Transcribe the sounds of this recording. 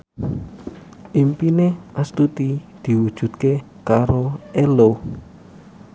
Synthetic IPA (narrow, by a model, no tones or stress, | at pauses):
ʔimpineʔast̪ut̪id̪̥i̤wud̥ʒ̥ṳd̪̥ke | kaɾoʔelo